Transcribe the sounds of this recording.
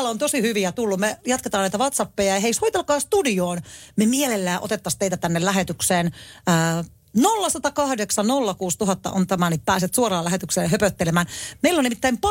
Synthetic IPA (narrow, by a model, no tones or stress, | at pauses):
lːont̪osihyʋiæt̪ulːumejɑt̪ket̪ɑːnæit̪æʋɑt̪sɑpːejɑjɑɦeishoit̪elkɑːst̪udioːnmemiɛlelːæːʔot̪et̪ːɑst̪eit̪æt̪ænːellæɦet̪ykseːnəː | nolːɑsɑt̪ɑkɑhdeksɑnnolːɑkuːst̪uɦɑt̪ːɑ̰ʔont̪æmænippæːset̪suorɑːlæɦet̪ykseːɦøpøt̪ːelemæːnmeilːonimit̪ːæimpɑ